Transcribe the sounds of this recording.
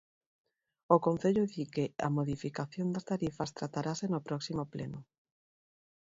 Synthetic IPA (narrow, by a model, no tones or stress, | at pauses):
okon̟θeʎoðikea̰moðifikaθjond̪ast̪aɾifast̪ɾat̪aɾasenopɾɔksimoplḛno